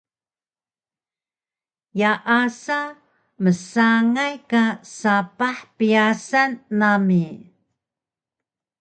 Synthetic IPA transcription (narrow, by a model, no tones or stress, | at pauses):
jaʔasa | məsaŋajkasapaħpijasanːami